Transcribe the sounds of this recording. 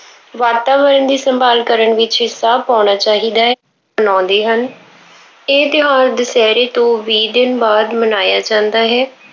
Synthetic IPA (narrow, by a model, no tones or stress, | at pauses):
ʋaːt̪aːʋəɾənd̪iːsəmbaːlkəɾəɳʋɪt͡ʃɪsaːbpãːnaːt͡ʃaːɦiːd̪aːɦ | ənɔ̃ːnd̪eːɦən | eːd̪ɪɦaːɾd̪əsɛːɾeːt̪õːʋiːd̪ɪnbaːd̪mənaːjaːd͡ʒãːnd̪aːɦɛː